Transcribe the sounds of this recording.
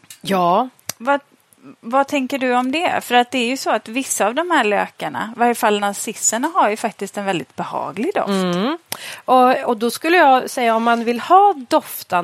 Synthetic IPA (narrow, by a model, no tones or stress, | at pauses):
jɑː | va | vat̪ʰɛŋkəɖɵɔmd̪ɛfœɾat̪̚d̪ɛæɾjɵsɔat̪vɪsːaːvd̪ɔmhæːɭø̰ːkaɳa̰vaɾjəfalːnasɪsːəɳaɦaɾjɵfak̚t̪ɪst̪ɛnvɛld̪ɪt̪̚bɛhɑ̰ːɡlɪɡd̪ɔ̰ft̪ | ʔɔɔd̪ɔskɵlːəjɑːsɛjːaɔmːanvɪlhɑːd̪ɔft̪a